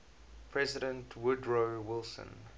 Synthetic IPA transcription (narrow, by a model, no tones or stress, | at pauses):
pʰɹɛzɪdə̃ntʰwʊdɹowɪlˠsə̰̃n